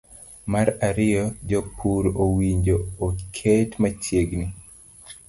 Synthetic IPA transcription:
maɾaɾɪjɔd͡ʒopʰuɾowiɲd͡ʒoːkʰetmat͡ʃjeɡni

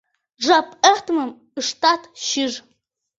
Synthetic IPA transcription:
ʐapʼɐrtʰmɨm | ɨʂtʰatʰʃɪʐ

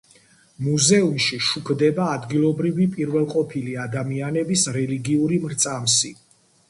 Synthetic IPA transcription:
muzɛumʃiʃukʰd̪ɛbaːd̪ɡilˠɔbɾivipʼiɾvɛlˠqʼɔpʰiliad̪amianɛbisɾɛliɡiuɾimɾt̪sʼamsi

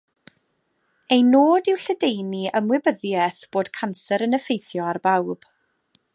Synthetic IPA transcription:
ejnoːdɪwɬədejniʔəmwɪbəðjɛθb̥oːd̥kʰansɛɾənəfejθjɔarbawb̥

